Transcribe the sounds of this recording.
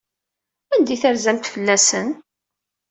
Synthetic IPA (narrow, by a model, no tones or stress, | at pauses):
ænd̪iθəɾzæmt̪fəlːæsən